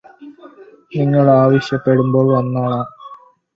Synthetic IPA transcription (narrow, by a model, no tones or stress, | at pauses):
niŋːɐɭaːʋɐɕjɐpːe̞ɽumbo̞ːɭʋɐnːaːɭaː